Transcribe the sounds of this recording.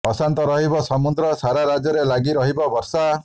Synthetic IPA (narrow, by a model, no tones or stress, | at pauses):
ɔsant̪ɔɾɔɦibɔsɔmud̪ɾɔsaɾaɾad͡ʒɔɾelaɡiɾɔɦibɔbɔɾsa